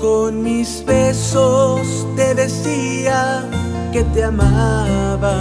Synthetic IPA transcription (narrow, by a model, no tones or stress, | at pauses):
konmizβesos | t̪eðesia | ket̪eamaβa